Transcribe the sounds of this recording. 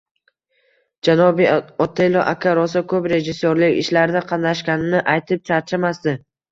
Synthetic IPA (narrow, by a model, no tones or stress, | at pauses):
d͡ʒanɒbiɒt̪ʰeloʔakʲʰaɾɒs̬akʰɵpɾe̞ʒɪsːoɾlɪkʲɪ̰ʃlaɾɪd̪aqʰɑnːaʃkʲanɪnɪʔajt̪ʰɪp̚t͡ʃʰaɾt͡ʃʰamasd̪ɪ